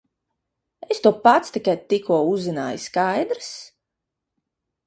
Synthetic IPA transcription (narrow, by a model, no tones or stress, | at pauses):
est̪uɔpat̪st̪ikajt̪ikuɔuzina̰ːjskajd̪ɾɨs